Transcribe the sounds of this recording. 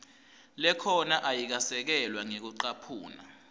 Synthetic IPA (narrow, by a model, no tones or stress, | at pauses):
lɛkʰɔnaʔajik̬asɛk̬ɛlwaŋek̬uǃapʰuːna̰